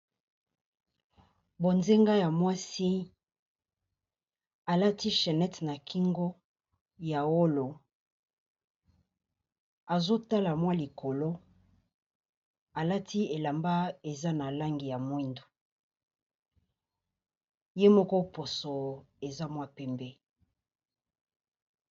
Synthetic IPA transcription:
bo˨nze˦ŋɡa˦ja˨mwa˦si˦ | a˨la˦ti˦ʃɛ˨nɛ˦tna˨kʰi˦ŋɡo˦ | ja˨wo˦lo˨ | a˨zo˦ta˦la˨mwa˦li˨kʰo˨lo˦ | a˨la˦tʰi˦e˨la˨mba˦e˨za˦na˨la˦ŋɡi˨ja˨mwi˦ndo̥˨ | je˦mɔ˦ko˦po˨so˨e˨za˦mwa˦pɛ˦mbɛ˦

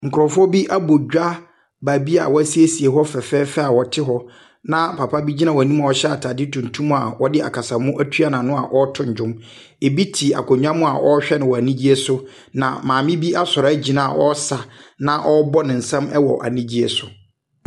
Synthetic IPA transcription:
ŋ̩˨kʰʊ˨ɔ˨fʊ˦ɔ˦bi˦ʔa˦bo˨d͡ʑᶣa˦ | ba˨bi˦a̰˨wɔ˦æ˦si˦e˦si˨e˨ɦɔ˦fɛ˨fɛː˦fɛ˦a˨wɔ˨tʰɪ˦ɦɔ˦ | nã˦pʰa˨pʰa˦bi˦d͡ʑi˦nã˨wɔ˨æ˨nĩ˦ma˨ɔ˨˦ɕɛ˦a˨tʰaː˨dɪ˦tʰũ˨n˨tʰũ˦m̃˦a˨wɔ˦dɪ˦a̰˨kʰa˨sa˨mʊ̃˦ʔæ˦tʰu˦a˦nã˨nʊ̃˦a˨ʔɔ˦tʰʊ̃˨ɲ˨d͡ʒᶣʊ̃˦m | e˨bi˦tʰi˨a̰˨kʰɔ˨ɲᶣ˦ã˦mʊ̃˦a˨ʔɔ˦ɕᶣɛ˦nɪ̃˨wɔ˨a˨nĩ˦d͡ʑi˦e˦sʊ˦ | nã̰˨mãː˨mɪ̃˦bi˦a˦sɔ˨ɾɔ˨æ˦d͡ʑi˨nã˦˨ʔɔ˦sa˨nã˦ʔɔ˦bɔ˦nɪ̃˨n̩˨sã˦mɛ˦wɔ̰˨ʔa̰˨nĩ˦d͡ʑi˦ɛ˨sʊ˨

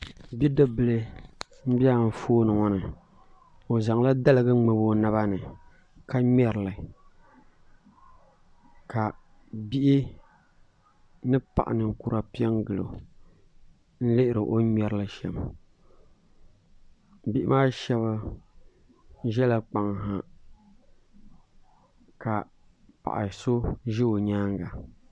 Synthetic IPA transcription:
bi˦dɨ˦bɨ˨lɨ˦ | m̩˦bi˦a˦˨m̩˨foː˦nɨ˨ŋɔ˦nɨ˨ | o˨za˨ŋ˦la˦da˦lɨ˨ɡɨ˦ŋ͡mɨ˨bo˦na˨˦βa˦nɨ˨ | ka˦mɛ˨ɾɨ˨lɨ˨ | ka˨ | bi˦ʔi˦ | nɨ˦pa̰˨ʔa̰˨nɨ˨ŋ̩˨ku˨ɾa˨pi˦ɛ˦ŋɡɨ˨lo̰˨ | n̩˦lɨ˦ʔɪ˨ɾɨ˨ʔo˦mɛ˨ɾɨ˦lɨ˨ʃɛ̰˨m | bi˦ʔɪ˦maː˦ʃɛ˦βa˦ | ʒɛ˦la˨k͡pa˨ŋɦa˨ | ka˨ | pa̰˨ʔa̰˨so˦ʒɪ˦o˨ɲaː˦ŋɡa˨

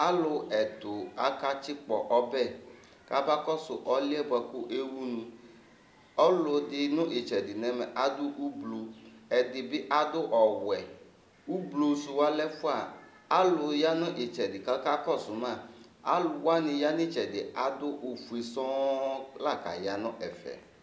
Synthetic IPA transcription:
a˦lʊ˨ɛ˨t̪ʊ˨a˨ka˦t͡ʃɪ˦k͡pɔ˨ʔɔ˦bɛ˦˨ | ka˦ba˦kɔ˦sʊ˨ʔɔ˦lɪ˦ɛ˦bɛ˨kʊ˦ʔe˦wu˦nũ˨ | ɔ˦lʊ˨dɪ˨nʊ̃˦ʔɪ˨t͡ʃɛ˨dɪ˨nɛ̃˨mɛ˨ʔa˨d̪ʊ˦ʔu˦blo˨ɛ˨dɪ˨bɪ˦ʔa˦d̪ʊ˦ʔɔ˨wɛ˨ | u˦blo˨sʊ˨wa˦lɛ˦fʊ˦a˨ | a˦lʊ˨ja˦nʊ̃˦ʔɪ˨t͡ʃɛ˨dɪ˨ka˦ka˦kɔ˦˨sʊ˨mã˦˨ | a̰˦lʊ˨wa˦nɪ̃˨ja˦nɪ̃˦t͡ʃɛ˨dɪ˨a˨d̪ʊ˦ʔu˨fu˨e˨sɔ̃˦la˦˨ka̰˨ja˨nʊ̃˦ʔɛ˨fɛ̰˨

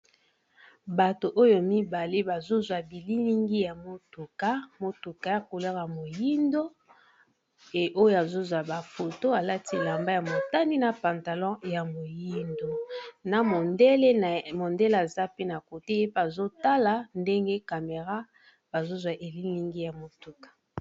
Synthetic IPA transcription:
ba˨to˨ʔo˦jo˨mi˦ba˨le˦ba˨zo˦zwa˨bi˨li˦li˦ŋɡi˦ja˨mo˨tu˨ka˦mo˨tu˨ka˦ja˨ko˨la˦ɣa˨mo˨ji˦ndo˦ | e˨ʔo˦jo˨a˨zo˦zwa˨ba˨fo˨to˦a˨la˦ti˦˨la˨mba˦ja˨mo˨ta˦ni˦na˨pã˨nta˨lɔ̃˦ja˨mo˨ji˦ndo˦na˨mo˨nde˦le˦˨mo˨ndɛ˦la˨za˦pe˦na˨ko˨te˦je˦pa˨zo˦ta˦la˨nde˦ŋɡe˦ka˨me˨ʁa˦ | b̥a˨zo˦zwa˨ʔe˨li˦li˦ŋɡi˦ja˨mo˨tu˨kḁ˨

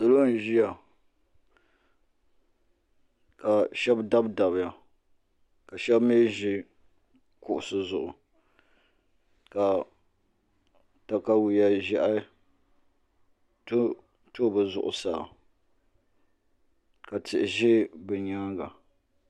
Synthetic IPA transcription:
sʊ˨lo˦n˨ʒi˦ja˨ | ka˨ʃɛ˦bda˦bda˨bɪ˨ja˨ | ka˨ʃɛ˦bme˦ʒɪ˦ | kʊ˨ʔʊ˨sɨ˨zʊ˨ʔʊ˨ | ka˨ | ta˨ka˦wi˨ja˦ʒɛ˦ʔa˦ | t | to˦˨bɨ˨zʊ̰˨ʔʊ̰˨saː˨ | ka˨tɪ˨ʔɪ˨ʒɪ˦bɛ˨ɲa˦ɡa˨

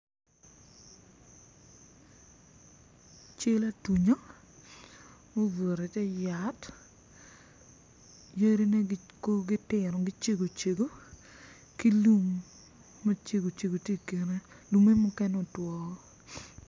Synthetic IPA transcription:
t͡ʃe˦la˦tu˨ɲo˦ | mo˦vo˨ɾe˨tɛ˦ja˨t | je˦ɾi˦ne˦ko˦ɡɪ˦tɪ˨ɾɔ˨ɡɪ˦t͡ʃe˦ɡo˨t͡ʃe˨ɡo˦ | ki˦lu˦mː | e˦t͡ʃe˦ɡo˨t͡ʃe˨ɡo˨te˦˨ke˨ɾe˦ | lu˨me˦mʊ˦kɛ˦no˨twɔ˨˦

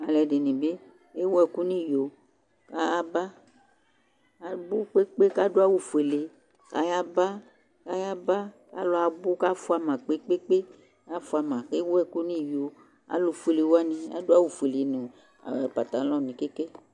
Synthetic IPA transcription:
a˨lɛ˨de˨nĩ˨be˦ | e˦wo˦ɛ˨ku˦nĩ˦˨jo˨ | ka˦a˦ba˦ | a˨bu˦k͡pe˦k͡pe˦ka˦do˦a˦wu˨fu˨e˨le˨ | ka˦ja˦ba˦ | ka˦ja˦ba˦ka̰˦lɔ˨˦a˨bu˦ka˦fu˦a˦mã˨k͡pe˦k͡pe˦k͡pe˦ | ka˦fu˦a˨mã˨e˦wo˦ɛ˨ku˦nĩ˦jo˨ | a̰˨lo˨fu˦e˨le˨wo˦a˦nĩ˨a̰˦do˦a˦wu˨fe˨le˨nẽ˨ | a̰˨ɛ˨pa˨t̪a˨lɔ̃˦˨nĩ˨ke˦ke˦

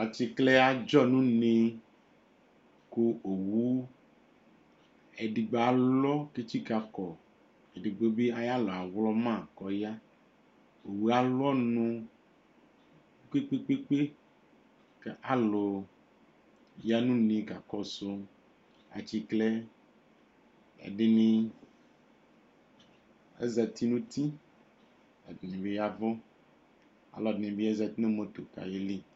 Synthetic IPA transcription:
a˨t͡ʃi˦klɛ˦a˦d͡ʒɔ˦˨nũ˦nẽ˦ | ku˦o˨wu˦ | ɛ˨ɖi˨ɡ͡be˨a˨lɔ˦ke˦t͡ʃi˦ka˨kɔ˨ | ɛ˨ɖi˨ɡ͡be˦be˦a˦ja˦lɔ˨a˨wlɔ˦mã˦˨kɔ˨ja˦ | o˨wu˦a˦lɔ˦nũ˦ | ke˦k͡pe˦k͡pe˦k͡pe˦ | ke˦ʔa˨lo˨ | ja˦nũ˦nẽ˦ka˨kɔ˦so˦ | a̰˨t͡ɕi˦kle˦ | ḛ˨ɖe˦nĩ˦ | ḛ˦zɛ˨t̪i˦nũ˦t̪i˦ | ḛ˨dnẽ˨be˦ja˦vɔ˦ | a̰˨lɔ˨dnẽ˨bi˦e˦zɛ˨t̪nẽ˦mõ˦t̪o˨ka̰˨je˦li˦

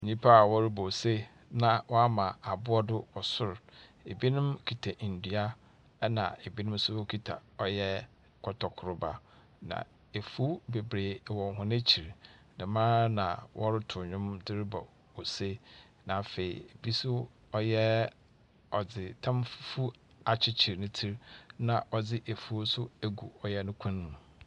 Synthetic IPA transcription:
ɲĩ˦pʰa˦a˨wɔ˦ɾɪ˦bɔ˨se˦ | nã˨wɔ˦a˦mã˨a˨bʊ˦ɔ˦dʊ˦wɔ˨sʊ˦ɾe˨bi˦nʊ̃˦mkʰi˨tʰa˨ʔn̩˨dɥa˦ | ɛ˦nã̰˨e˨bi˦nʊ̃˦m˦sʊ˦kʰi˨tʰa̰˨ɔ˨jɛ˦ | kʰɔ˨tʰɔ˨kʰʊ˨ɾʊ˦ba̰˦ | nã̰˨ | e˨fu˦be˨bɾeː˨wɔ̃˨ŋ˨ɦʊ̃˨nẽ˦t͡ɕʰi˨ɾnɪ̃˨mãː˦nã̰˨wʔɔ˦ɾɪ˦tʰʊ˨ɲᶣʊ̃˦mdɪ˦ɾɪ˦bɔ˨ | o˨se˦ | nã˨fe˨ḭ˨e˨bi˦sʊ˦ | ɔ˦jɛ˦ | ɔ˨d͡zɪ˨tʰã˦mffu˦ | a˨t͡ɕʰɪ˦t͡ɕʰi˨ɾnʊ̃˦tʰi˦ɾnã̰˨ʔɔ˨d͡zɪ˦ʔe˨fu˦sʊ˦æ˨ɡṵ˨ɔ˨jɛ˦nʊ̃˦kʷʰã˦n˦mũ˨

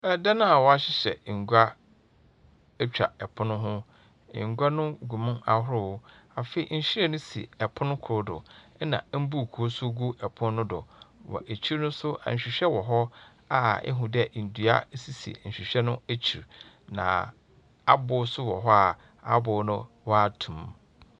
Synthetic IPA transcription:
ɛ˨da˦nã˦a˨wɔ˨a˦ɕɪ˦ɕɛ̰˨ŋ̩˨ɡʷa˦ | ɛ˦t͡ɕᶣa̰˨ɛ˨pʰʊ˦nʊ̃˦ɦʊ̃˦ | ɪ̰˨ŋ̩˨ɡʷa˦nʊ̃˦ɡu˨mʊ̃˦na˨ɦʊ˦ɾʊ˦˨wʊ˦a˨fe˨˦ḭ˨ɲ̩˨ɕi˦ɾɛ˦nʊ̃˦sḭ˨ɛ˨pʰʊ̃˦nʊ̃˦kʰɾʊ˦dʊ̰˨˦nã̰˨˦m̩˦bu˦˨kʰu˨o˦sʊ˦ɡu˦ɛ˨pʰʊ̃˦n˦nʊ̃˦dɔ̰˨wɔ̰˨ʔe˨t͡ɕʰi˦ɾnʊ̃˦sʊ˦ʔã̰˨ɲ̩˨ɕᶣi˨ɕᶣɛ˦wɔ˨ɦɔ˦ | a˨ɛ̰˦ɦʊ̃˨dɛ˦˨n̩˨dɥa̰˦si˨sḭ˨ɲ̩˨ɕᶣi˨ɕᶣɛ˦nʊ̃˦æ˦t͡ɕʰi˨ɾ | nã̰˨ | a˦bʊ˨˦sʊ˦wɔ˨ɦɔ˦a˨ | a̰˨bʊ˨nʊ̃˦ | wɔ˦a˦tʰũ˨m

